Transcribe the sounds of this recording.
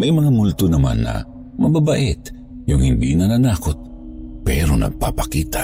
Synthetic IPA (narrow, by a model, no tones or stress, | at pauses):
mɐjmɐŋamʊlt̪onɐma̰nːɐ̰ | mɐbabaʔɛt̪ | jʊŋhɪnd̪iʔnɐnanaːkot̪̚ | pɛɾonɐ̰ɡ̚papɐ̥kiːt̪a